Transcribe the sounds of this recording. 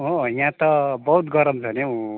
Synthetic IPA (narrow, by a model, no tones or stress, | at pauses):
ɦojãt̪ʌbʌɦut̪ɡʌɾʌmd͡zʱʌneũ